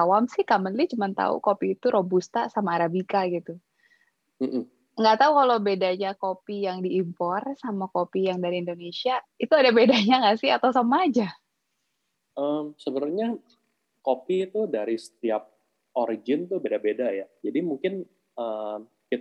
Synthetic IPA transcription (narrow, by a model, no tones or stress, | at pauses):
awamsɪhkamənlit͡ʃəmant̪a̰ṵkopiːt̪uɾʔobust̪asamaːɾabikaɡit̪u | m̩ʔm̩ | ŋɡat̪aukalobedaɲakopijaŋdiːmpɔrsamakopijaŋdaɾiindonesiait̪uadabedaɲaŋasɪhat̪awsamaːd͡ʒa | ʔəmsəbəɾʊrɲa | kopiːt̪udaɾisə̥t̪iap̚ | oɾid͡ʒɪnt̪ʊbedabedajad͡ʒadimuŋkɪn | əm | kit